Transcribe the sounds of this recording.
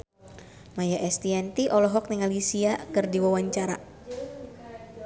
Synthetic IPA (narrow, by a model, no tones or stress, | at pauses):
majaʔɛst̪iɛnt̪iʔɔlɔɦɔk̚niŋalisiakɨrdiwawaɲt͡ʃaɾa̰